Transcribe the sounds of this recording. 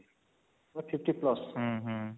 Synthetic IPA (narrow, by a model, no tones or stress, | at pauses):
mapʰipʈiplʌsɦʌ̃ɦ